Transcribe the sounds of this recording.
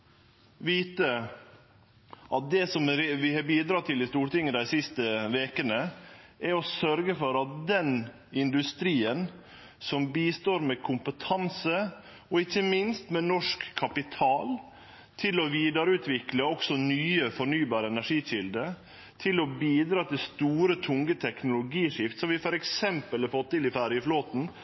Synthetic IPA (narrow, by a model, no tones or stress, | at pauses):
ʋiːt̪ə | ʔɑt̪̚d̪ɛsɔmɾʋɪhɑbiːd̪ɾɑt̪ɪlɪst̪uːʈɪŋːəd̪æɪsɪst̪əʋeːkənəʔæɾɔsœɾɡəfɔɾɑt̪̚d̪ɛn | ɪnd̪ʉst̪ɾiːən | sɔmbiːst̪oːɾmɛkʰʊmpət̪ʰɑnsə | ɔɪçːəmɪnst̪mɛnɔʂkʰːɑpɪt̪ʰɑːl | t̪ʰɪlɔʋiːd̪ɑɾəʉːt̪ʋɪkləɔksɔnyːəfɔɳyːbɑːɾəɛnæʂiːɕɪld̪ə | t̪ʰɪlɔbiːd̪ɾɑːt̪ɪlst̪uːɾət̪ʰʊŋɡət̪ʰɛknʊlʊɡiːʂɪft̪sɔmʋɪfɔɾɛksɛmpəlɑɾfɔt̪ːɪlɪfæɾjəfloːt̪n̩